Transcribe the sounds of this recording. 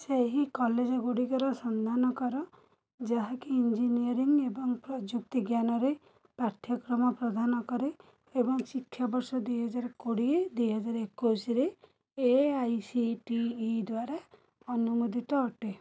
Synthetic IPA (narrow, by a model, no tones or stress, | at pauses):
seɦikɔled͡ʒɔɡuɽikɔɾɔsɔnd̪ʱanɔkɔɾɔ | d͡ʒaɦakiind͡ʒiniɔɾiŋebɔŋpɾɔd͡ʒuk̚t̪iɡjanɔɾe | paɾt̪ʰjɔkɾɔmɔpɾɔd̪ʱanɔkɔɾe | ebɔŋsikʰːjɔbɔɾsɔd̪ujɦɔd͡ʒaɾkoɽied̪ujɦɔd͡ʒaɾekusɾe | eajsiʈiːd̪waɾa | ɔnumud̪ʱiʈɔɔʈe